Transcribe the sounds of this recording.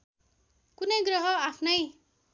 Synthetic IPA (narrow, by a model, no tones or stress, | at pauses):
kunʌjɡrʌɦʌapʰnʌj